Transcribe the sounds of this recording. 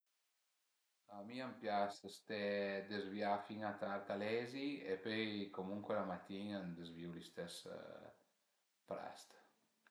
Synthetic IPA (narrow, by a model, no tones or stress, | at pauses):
amiampjasst̪ɛd̪ezvjafiŋat̪aɾt̪alɛziepøjkomuŋkwelamat̪inand̪ezvjulist̪ɛs | pɾa̰st̪